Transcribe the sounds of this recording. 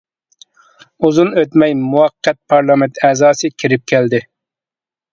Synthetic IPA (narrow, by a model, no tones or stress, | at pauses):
uzunøt̪mɛjmuwɑqʰːɛt̪̚pʰɑɾlˠɑmɛnt̪ɛːzɑːsɨkʲʰiɾɪp̚kʲʰɛld̪ɪ